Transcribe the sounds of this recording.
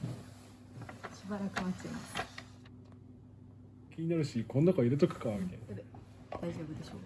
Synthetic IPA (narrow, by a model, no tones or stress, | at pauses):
ɕibaɾakɯ̟mat͡ɕeimasa | kʲiɲ̟inaɾɯ̟ɕikonːakaiɾet̪okɯ̟̥kaɡẽd̪e | d̪̥aiʑo̞ːbɯd̪eɕoː